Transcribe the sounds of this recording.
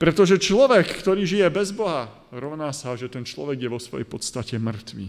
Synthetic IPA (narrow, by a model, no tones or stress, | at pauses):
pɾɛt̪ɔʒɛt͡ʃlɔʋɛkːt̪ɔɾiːʒijɛbɛzbɔɦa | ɾɔʊnaːsaʒɛt̪ɛnt͡ʃlɔ̰ʋɛɡjɛʋɔsʋɔ̰jɛ̰jpɔt̪st̪acɛmr̩t̪ʋḭː